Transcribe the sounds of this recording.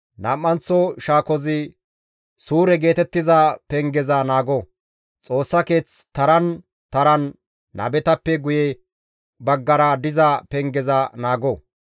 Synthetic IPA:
nɐmːɐnt͡sːɔʃaːkɔzɪ | suːɾɛɡe̞ːt̪ɛt̪ːɪzapɛŋɡɛzɐnaːɡɔ | t͡sʼo̞ːsːɐke̞ːt͡st̪ɐɾɐn | t̪ɐɾɐnː | ɐ̰bɛt̪ɐpːɛɡʊjɛ | bɐɡːɐɾɐd̪ɪzɐpɛŋɡɛzɐnaːɡɔ

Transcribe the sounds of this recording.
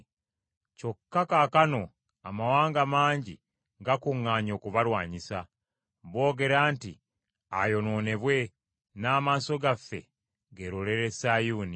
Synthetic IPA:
co̞kːakaːkano̞ | a̰mawaːŋɡamaːɲɟḭ | ɡakuŋːaːɲo̞ːkuβalwaːɲisa | βo̞ːɡe̞ɾaːnti | ajo̞no̞ːne̞βwe̞ | naːmaːso̞ɡafːe̞̰ | ɡe̞ɾole̞ɾe̞sajuːni

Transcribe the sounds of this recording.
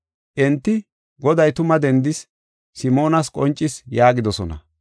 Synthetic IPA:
ʔɛnt̪ːɪ | ɡɔd̪ɐjt̪ʊmɐd̪ɛnd̪ɪs | sɪmo̞ːnɐskʼɔnt͡ʃʼːɪsjaːɡɪd̪ɔsɔnɐ̰

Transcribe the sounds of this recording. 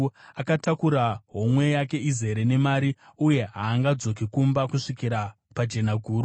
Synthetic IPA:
akatakuɾaɦo̞mwe̞jake̞ize̞ɾe̞ne̞maɾiuje̞ɦaːŋɡad͡zo̞kikumbakuʂikiɾa | pad͡ʒe̞naɡʱuːɾu

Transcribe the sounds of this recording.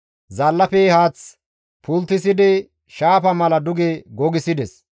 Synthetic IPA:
zɐlːɐpɛhaːt͡s | pʊlt̪ːɪsɪd̪ɪ | ʃaːpɐmɐlɐd̪ʊɡɛɡɔɡɪsɪd̪ɛs

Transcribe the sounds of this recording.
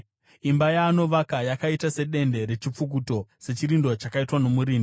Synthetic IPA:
imbajaːno̞ʋakajakaitase̞ɗe̞nde̞ɾe̞t͡ʃip͡fuk̬uto̞se̞t͡ʃiɾindo̞t͡ʃakaitwano̞muɾiːn

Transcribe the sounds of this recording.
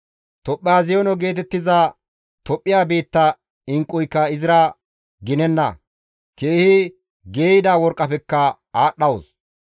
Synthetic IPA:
t̪ɔpʼːɪjaːzɪjɔnɔɡe̞ːt̪ɛt̪ːɪza | t̪ɔpʼːɪjaːbe̞ːt̪ːɐ | ɪŋkʼːʊjkːɐɪzɪɾɐ | ɡɪnɛnːɐ̰ | keːhɪ | ɡe̞ːjɪd̪aːwɔɾkʼːɐpɛkːɐ | aːɗɐws

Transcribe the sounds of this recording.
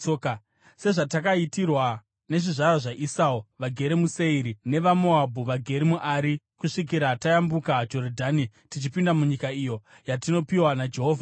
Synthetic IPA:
se̞ʐatakaitirwa | ne̞ʐiʐaɾaʐaʔisauʋaɡʱe̞ɾemuse̞iɾine̞ʋamoabʱuʋaɡʱe̞ɾimuʔaːɾi | kuʂik̬iɾatajambukad͡ʒo̞rdʱaːnitit͡ʃipindamuɲikaijo̞ | jatino̞piwanad͡ʒeɦoːvʱa

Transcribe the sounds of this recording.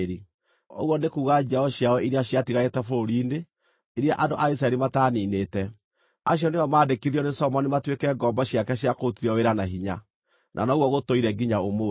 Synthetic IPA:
ɾi | o̰ɣwɔnekuːɣad͡ʒaɔɕjawɔiɾiaɕjatiɣaɣetɛfoɾiːne | iɾiaʔandoʔais̬ɾaɛɾimataːnineːtɛ | aɕ̬jɔneɔmaːdekiðiɔnesɔmɔnimatwekɛɡɔmbaɕjakɛɕiakotiɾɔweɾanaɦiɲa | nʔa̰naɣwɔɣotoiɾɛɡiɲaomo

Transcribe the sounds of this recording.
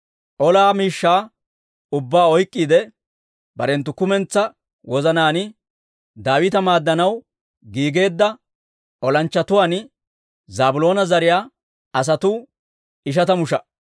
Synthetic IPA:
ʔɔlaːmiːʃːaː | ʊbːaːɔjkʼːiːd̪ɛ | bɐɾɛnt̪ːʊkʊmɛnt͡sːɐ | wɔzɐnaːnɪ | d̪aːwɪt̪ɐmaːd̪ːɐnɐw | ɡiːɡe̞ːd̪ːɐ | ʔɔlɐnt͡ʃːɐt̪ʊwaːn | zaːbʊlo̞ːnɐzɐɾɪjaː | ɐs̬ɐt̪ʊ | ɪʃ̬ɐt̪ɐmʊʃɐ

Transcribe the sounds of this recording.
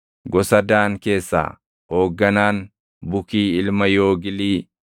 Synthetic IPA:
ɡɔsɐd̪aːŋke̞ːsːa̰ː | ho̞ːɡːɐnaːn | bʊkiːɪlmɐjo̞ːɡɪliː

